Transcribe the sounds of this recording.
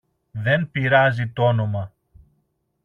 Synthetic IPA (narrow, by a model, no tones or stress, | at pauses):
ðe̞npiɾɐzit̪oono̞mɐ